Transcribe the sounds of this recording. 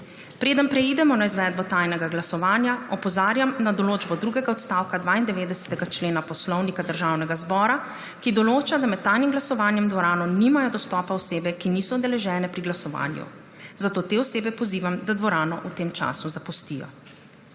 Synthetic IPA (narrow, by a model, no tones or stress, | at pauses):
pɾeːd̪əmpɾɛid̪ɛmɔnaizʋɛːd̪̚bɔt̪ajnɛɡaɡlasɔʋaːnjaɔpɔzaːɾjamnad̪ɔloːd͡ʒbɔd̪ɾuːɡɛɡaɔt̪st̪aːwkad̪ʋaːind̪ɛʋeːd̪ɛsɛ̥t̪ɛɡat͡ʃleːnapɔslɔwnikad̪əɾʒaːwnɛɡazbɔːɾa | kid̪ɔloːt͡ʃad̪amɛt̪̚tːaːjnimɡlasɔʋaːnjɛmd̪ʋɔɾaːnɔnimajɔd̪ɔst̪ɔːpaɔseːbɛkiniːsɔɔd̪ɛlɛʒɛːnɛpɾiɡlasɔʋa̰ːnjṵ | zat̪oːt̪eːɔseːbɛpɔziːʋamd̪ad̪ʋɔɾaːnɔʔut̪eːmt͡ʃa̰ːsuzapust̪ijɔ̰